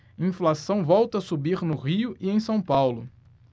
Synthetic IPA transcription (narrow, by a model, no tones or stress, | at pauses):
ĩflasɐ̃w̃vɔwt̪ɐːsubiɾnʊʁiʊʔiẽj̃sɐ̃w̃pawlʊ